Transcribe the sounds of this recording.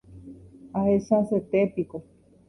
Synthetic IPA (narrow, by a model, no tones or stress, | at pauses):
ahesaset̪epiko